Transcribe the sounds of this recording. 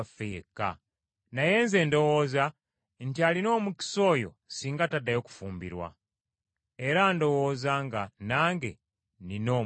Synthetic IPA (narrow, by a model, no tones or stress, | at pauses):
fekːa̰ | naje̞ːnze̞ːndo̞wo̞ːza | ntialino̞ːmuki̥so̞ːjo̞̰ | siːŋɡatadːajo̞ku̥fuːmbḭɾwa̰ | eɾaːndo̞wo̞ːzaŋɡanaːŋɡḛ | nino̞ː